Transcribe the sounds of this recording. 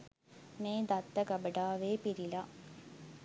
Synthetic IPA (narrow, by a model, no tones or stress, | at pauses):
meːd̪ɐt̪ːɐɡɐbəɖaːʋeːpiɾila